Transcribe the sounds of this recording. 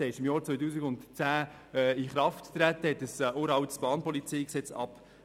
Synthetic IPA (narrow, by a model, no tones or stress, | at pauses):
ɛɪʃɪmjɑːɾt͡sʋɔjt̬uːsiɡʊntt͡sæː | iχɾɑfttːɾætːəhɛtəsoːəɾɑwtsb̥ɑːnpɔlit͡siːksɛt͡sɑ̰p